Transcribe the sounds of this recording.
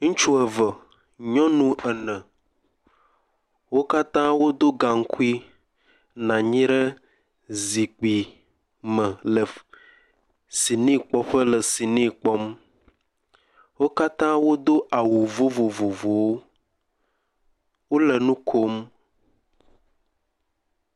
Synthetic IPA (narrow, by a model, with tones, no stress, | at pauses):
ŋũ˦t͡ʃu˦ə˨və˨ | ɲɔ̃˦nũ˦ɛ˨nɛ̃˨ | wo˦ka˦t̪ã˦wo˦d̪o˦ɡa˨ŋ̩˦ku˦i˦ | nã˨ɲĩ˦ɾə˦ | zi˨k͡pi˨ | mə̃˨lə˨ | si˨nĩ˦k͡pɔ˦ɸə˦lə˨si˨nĩ˦k͡pɔ˦m | wo˦ka˦t̪ã˦wo˦d̪o˦ʔa˨wu˨vo˦vo˨vo˨vo˨wo˦ | wo˦lə˨nũ˦kʰo˦m